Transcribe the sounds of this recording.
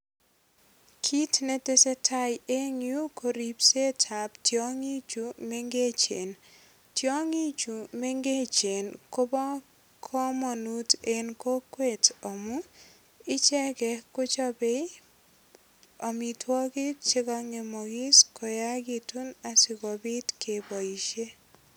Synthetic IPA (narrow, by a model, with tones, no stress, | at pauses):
kʰi˦tne˦te˦se˦tʰa˦je˦ŋju˦ko˨ɾipse˦tʰa˨ptjɔ˦ŋi˦t͡ʃu˨me˦ŋɡe˦t͡ʃḛ˨n | tjɔ˦ŋi˦t͡ʃu˨me˦ŋɡe˦t͡ʃe˨nko˦bɔ˦ | kʰɔ˦mɔ˨nu˦te˨nko˦kwe˦tɔ˨mʊ˦ | ɪ˦t͡ʃɛ˦kɛ˨kʊ˦t͡ʃɔ˦be˦ | ɔ˨mi˨tʰwɔ˦kɪ˦t͡ʃe˦ka˦ŋe˨mɔ˨ɡɪ˦sko˨ja˦ɡi˨tu˦na˨sɪ˨kɔ˨bɪ˦tke˨bɔ˨i˨ʃe˦